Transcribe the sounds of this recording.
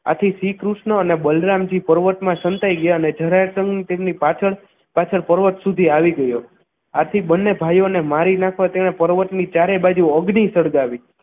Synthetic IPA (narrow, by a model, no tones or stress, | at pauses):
a̰t̪ʰisikɾuʃɳəənebəlɾamd͡ʒipəɾʋəʈmãʃənt̪aiɡəjaəned͡ʒʱəɾaɾsəŋɡnit̪emnipat͡ʃʰəɭ | pat͡ʃʰəɭpəɾʋəʈsud̪ʱiaʋiɡəjo | at̪ʰibənːebʱajonemaɾinãkʰʋãt̪eɽ̃epəɾʋəʈnit͡ʃaɾebad͡ʒuəɡnisəɽɡaʋi